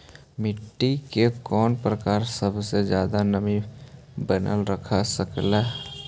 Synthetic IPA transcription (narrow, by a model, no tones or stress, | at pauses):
mɪʈːikekɔːnpɾəkaːɾsəbʱsed͡ʒjaːd̪anəmi | bənə̰lɾəkʰasəkle